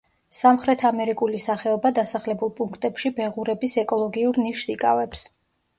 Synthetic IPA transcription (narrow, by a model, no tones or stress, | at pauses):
samχɾɛt̪ʰamɛɾikʼulisaχɛɔbad̪asaχlɛbulˠpʼuŋkʰt̪ʼɛpʃibɛʁuɾɛbisɛkʼɔlˠɔɡiuɾniʃsikʼa̰vɛps